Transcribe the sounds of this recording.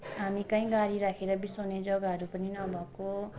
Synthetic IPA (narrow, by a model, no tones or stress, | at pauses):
ɦamikãĩɡaɾiɾakʰeɾʌbisʌned͡zʌɡaɦʌɾupʌninʌbʱʌko